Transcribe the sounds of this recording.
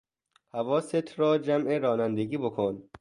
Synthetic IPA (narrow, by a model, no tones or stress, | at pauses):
hævɒːset̪ʰɾɒːd͡ʒæmʔeɾɒːnænd̪eɡiːbokʰon